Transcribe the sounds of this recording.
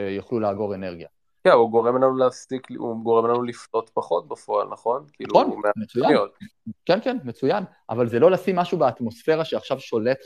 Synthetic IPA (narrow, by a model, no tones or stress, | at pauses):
joχluleaɡo̞ʁe̞ne̞ʁɡija | kauɡo̞ʁemlanuleafsiklṵɡoʁemlanuliflo̞t̪paχo̞t̪̚bafo̞a̰lnaχo̞nkiḭluonmemet͡sujaot̚kenkenmet͡sujanʔa̰valzelolasimːaʃubeat̪mo̞sfe̞ʁaʃeaχʃavʃo̞le̞t̪